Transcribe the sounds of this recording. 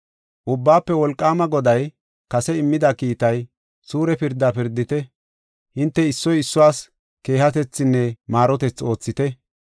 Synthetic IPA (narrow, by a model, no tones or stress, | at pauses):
ʔʊbːaːpːɛwɔlkʼːaːmɐɡɔd̪ɐj | kɐsɛɪmːɪd̪ɐkiːt̪ɐj | suːɾɛpɪɾd̪ɐpɪɾd̪ɪt̪ɛ | hɪnt̪ːɛɪsːɔjɪsːʊwaːs | ke̞ːhɐt̪̬ɛt͡sːɪnːɛmaːɾɔt̪ɛt͡sːo̞ːt͡sːɪt̪ɛ